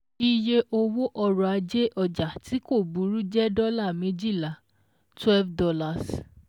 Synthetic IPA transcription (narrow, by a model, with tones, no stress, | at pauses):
i˧je˧ʔo˧wo˦ʔɔ˧ɾɔ˧˨a˧d͡ʒe˦ʔɔ˦˨d͡ʒa˨tʰi˨˦ko˦˨bu˨˦ɾu˦d͡ʒɛ˦dɔ˦la˦˨mĩ˦d͡ʒi˦˨la˨ | twɛ˦lfdɔ˧la˧˨s